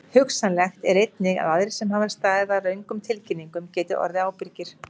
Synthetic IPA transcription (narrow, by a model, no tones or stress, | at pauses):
hʏksanlɛxt̪ɛɾejt̪nɪɣa̰ðaðɾɪ̥sɛmhaːvaɾ̥st̪aːðɪðarœɥŋkʏmt̪ʰɪlcɪnːiŋkʏmcɛːt̪ɪʔɔ̰ɾðɪaːwpɪɾcɪɾ̥